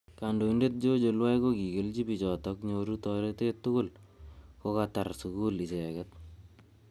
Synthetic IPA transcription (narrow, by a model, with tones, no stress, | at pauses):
kando˨inde˦t̚d͡ʒo˦d͡ʒo˨lwa˦jko˦ki˨ɡe˨˦lt͡ʃi˦pi˨t͡ʃɔ˨tɔ˦kɲoɾu˦tɔɾe˦te˦tːʊ˦kʊ˦lko˦kataɾsuku˦li˨t͡ʃe˨kɛt̚